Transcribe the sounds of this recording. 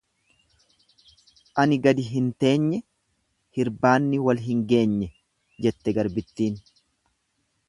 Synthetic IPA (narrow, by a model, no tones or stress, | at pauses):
ʔɐnɪɡɐd̪ɪɦɪnt̪e̞ːɲːɛ | hɪɾbaːnːɪwɐlɦɪŋɡe̞ːɲːɛ | d͡ʒɛt̪ːɛɡɐɾbɪt̪ːiːn